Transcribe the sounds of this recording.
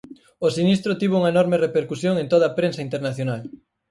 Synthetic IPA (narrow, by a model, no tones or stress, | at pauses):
osinist̪ɾʊt̪iβ̞uŋɐenɔɾmerepeɾkusjoŋẽnt̪oð̞ɐːpɾensɐint̪eɾnaθjonal